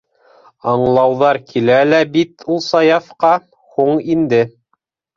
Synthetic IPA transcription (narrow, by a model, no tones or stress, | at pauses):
ɑɴlˠɑwðɑɾkʰilælæbit̪ulˠsɑjɑfqɑ | huɴind̪ɘ